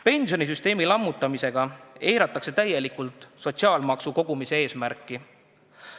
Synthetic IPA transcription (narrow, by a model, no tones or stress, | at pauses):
pe̞nsʲjo̞nis̬yst̪e̞ːmilɑmːut̪ːˑɑmise̞ɡ̥ɑe̞jɾɑt̪ːˑɑkse̞t̪æje̞likːult̪ˑso̞t̪siɑːlmɑksuko̞ɡ̥umise̞e̞ːsmæɾkːˑi